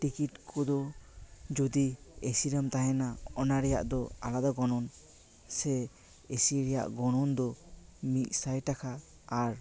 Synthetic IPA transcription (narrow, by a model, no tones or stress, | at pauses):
ʈikitkʰɔd̪ɔ | d͡ʒud̪iesiɾəmt̪aɦɛnaɔnaɾɛja̰ʔd̪ɔa̰lad̪aɡɔnɔn | sɛ | esiɾɛja̰ʔɡɔnɔnd̪ɔmit̪̚sajtakʰaː | ɾ